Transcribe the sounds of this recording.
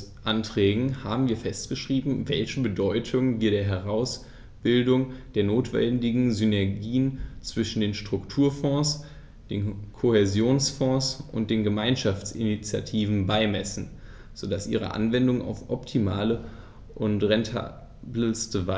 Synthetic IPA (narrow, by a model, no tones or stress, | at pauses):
ʔantʁ̥ɛːɡŋ̩haːbm̩viːɐfɛst̚ɡ̥əʃʁ̥iːbm̩vɛlçəbədɔʏtʰʊŋviːɐɾeːɐɦɛʁaʊs | b̥ɪldʊŋd̥eːɐnoːtv̥ɛ̰ndɪɡŋ̩zynɛɐɡiːənt͡sv̥ɪʃn̩deːnʃtʁ̥ʊktʰuːɐfɔ̃ːs | d̥eːnkʰohezjoːnsfɔ̃ːsʔʊ̰nt̚d̥eːnɡəmaɪnʃaft͡sɪ̰nit͡sja̰tʰiːvn̩baɪmɛsn̩ | z̥oːdasʔḭːʁə̰ʔa̰nvɛndʊŋa̰ʊfʔɔptʰimaːlə | ʔʊntʁɛntʰa̰ | blstəva